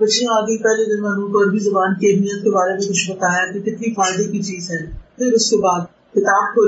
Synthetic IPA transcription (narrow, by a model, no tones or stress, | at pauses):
bɐtːʃeãaːɡipɛːled̪ɪ̃mɐnõːpəɾbʱiːzɐbaːnkeːmijət̪̚kebaːɾemẽkʊt͡ʃʰbɐt̪aːjakikɪt̪nifaːɪd̪ekit͡ʃiːzɦɛːpʰɪɾʊskebaːd̪̚ | kɪt̪aːʈɦoː